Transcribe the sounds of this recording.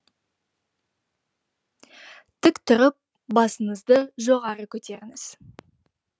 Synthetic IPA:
t̪ʰɪkt̪ʰʊɾəp̚ | bɑsəɴəzd̪əʒo̞ʁɑɾəkʲʰɵt̪e̞ɾɪŋɪz̥

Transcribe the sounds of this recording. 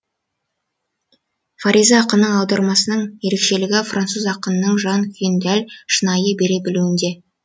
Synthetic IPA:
faɾʲʔizɑːqənəɑwd̪ɑɾmɑsənəɴje̞ɾe̞kʃe̞lɪɡʲɪfrʔant̪suzɑqənənəɴʒɑnkʲʰɪnd̪ælʲʃənɑjəbe̞ɾe̞bɪluwɪnd̪e̞

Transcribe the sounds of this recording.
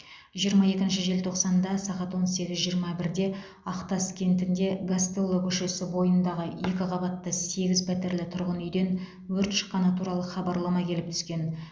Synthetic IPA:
ʒijəɾmɑje̞kʲɪnʃɪʒe̞lt̪ʰo̞qsɑnd̪ɑsɑʁɑt̪wo̞nse̞ɡʲɪzʒijəɾmɑbɪɾd̪e̞ | ɑqt̪ɑskʲʰe̞nt̪ɪnd̪e̞ɡast̪elːˠəkʲʰʏʃe̞sɪbo̞jənd̪ɑʁəje̞kʲɪqʰɑbɑt̪ːəse̞ɡʲɪzpʰæt̪e̞ɾlɪt̪ʰʊɾʁənʏjd̪e̞n | wɵɾt̪ʃə̥qːɑnət̪ʰuɾɑlˠəχɑbɑɾlˠɑmɑkʲʰe̞lɪp̚t̪ʰʏ̥skʲe̞n

